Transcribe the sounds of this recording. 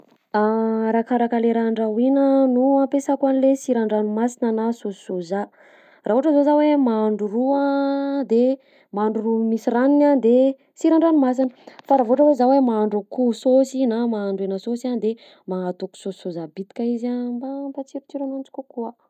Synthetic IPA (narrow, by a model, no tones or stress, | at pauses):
aɾakaɾakəleɾaɳɖ͡ʐawinənuampesakwanilesiɾaɳɖ͡ʐanumasinanasosi̥soza | raːuʈ͡ʂəzozawemaːɳɖ͡ʐuruad̪e | maaɳɖ͡ʐurumisiraninand̪e | siɾaɳɖ͡ʐanumas̬inəfaɾavoʈ͡ʂəwezawemaaɳɖ͡ʐukusosinamaaɳɖ͡ʐenəsosand̪e | maat̪uku̥sossozabit̪i̥kaizabampat͡siɾit̪iɾamant͡si̥kukua